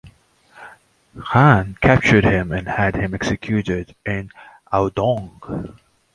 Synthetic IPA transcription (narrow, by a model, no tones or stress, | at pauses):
hænkʰæp̚t͡ʃə˞dhɪ̃mɨ̃nɨdhɨ̃mɛksɨkʰjuɾɪdɪ̃n | ʔaʊdɔ̃ŋ